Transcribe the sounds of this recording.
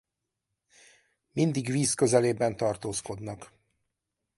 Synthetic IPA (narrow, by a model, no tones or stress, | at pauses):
mind̪iɡʋiːskø̞zɛleːbɛnt̪ɒrt̪oːsko̞d̪nɒk